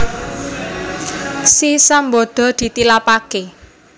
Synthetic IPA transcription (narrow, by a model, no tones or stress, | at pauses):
sisambo̤d̪̥ɔ̤d̪̥i̤t̪ilapake